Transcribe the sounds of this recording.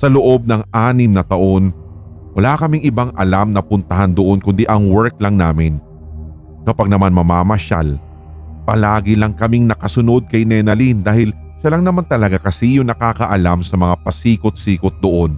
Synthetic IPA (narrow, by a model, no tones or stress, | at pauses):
sɐloʔo̞b̚nɐŋaːnɪmnɐt̪ɐʔo̞n | wɐlaːkɐmɪŋʔɪbaŋʔɐlamnɐpʊnt̪ɐɦand̪oʔo̞nkʊnd̪iʔɐŋwɛɹk̚lɐŋnaːmɪn | kɐpaɡ̚nɐmanmɐmaːmɐʃa̰l | pɐ̰laːɡɪlɐŋkɐmiŋnɐkɐsʊno̞d̪̚kɐjnɛnɐlind̪aːhɪl | ʃɐlɐŋnɐmant̪ɐlɐɡakɐsijʊŋnɐkaːkɐʔɐlamsɐmɐŋapɐsiːkot̪̚siːkot̪̚d̪oʔo̞n